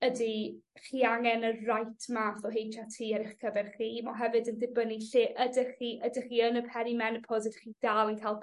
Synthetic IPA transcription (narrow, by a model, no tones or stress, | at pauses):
ədiχiːaŋɛnərajtʰmaːθɔɦejtʰatʰiːaɾɪχkʰəvɛrχiːmɔɦɛvɨdəndɪbəniɬɪːʔədəχiʔədəχiːənəpʰɛɾimɛnpʰɔzədiχiːdalˠənkʰalˠ